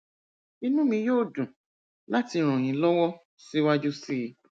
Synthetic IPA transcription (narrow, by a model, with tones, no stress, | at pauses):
i˧nũ˦mĩ˧joː˦˨dũ˨ | la˦ti˧ɾ̃ɔ̃˨j̃ĩ˨˦lɔ˦wɔ˦ | si˦wa˦d͡ʒu˦si˦˧˦